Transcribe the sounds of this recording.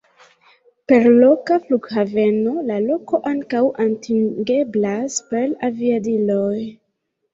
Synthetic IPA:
pe̞ɾlo̞kafluɡhave̞no̞lalo̞ko̞ʔaŋkawʔantʰiŋɡe̞blaspelaviadiloj

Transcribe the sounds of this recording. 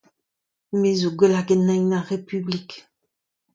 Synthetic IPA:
mezoɡwɛlaɡɛnajnaʁepyblik

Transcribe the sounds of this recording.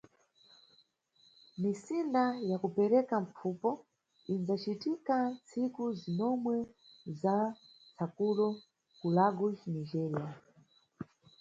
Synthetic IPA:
misindajakupɛɾɛkam̩p͡fʰupɔ | inzat͡ʃitikant͡sʰikuzinɔmwɛ | za | t͡sʰakulɔ | kulaɡut͡ʃniʒɛɾia

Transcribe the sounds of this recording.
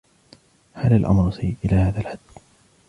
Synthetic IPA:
halalʔa̰mɾsajʔɪlaːhaːðalħad̪ː

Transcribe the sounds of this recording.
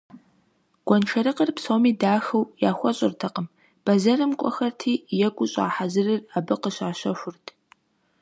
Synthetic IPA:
ɡ̥ʷɔnʈ͡ʂʰɐɾɨqərpsoːmiːdaːxɐwjaːxʷɔɕʼɪrtʰɐqəm | b̥ɐzɐrɨmkʷʼɔ̰xɐrtʰiːjɛɡʷʼʊɕʼa̰ːħazɨrɨrabɨqəɕaːɕɐɕʷʊrtʰ

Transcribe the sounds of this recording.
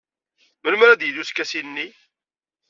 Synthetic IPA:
məlmɾæd̪jəðuskːæsinːi

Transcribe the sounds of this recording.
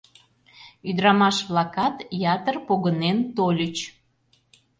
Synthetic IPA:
yd̪ɾɑmɑʃβlɑkɑt̪jɑt̪ərpoɣənent̪olʲət͡ɕ

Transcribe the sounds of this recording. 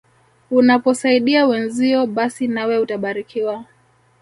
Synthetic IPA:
unapɔsaiɗiawɛnziɔɓasinawɛutaɓaɾikʰiwa

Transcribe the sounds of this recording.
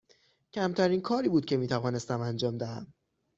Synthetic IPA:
cʰæmt̪ʰæɾiːnkʰɒːɾiːbuːd̪̚cʰʲe̞miːt̪ʰævɒːne̞st̪æmænd͡ʒɒːmd̪æhæ̰m

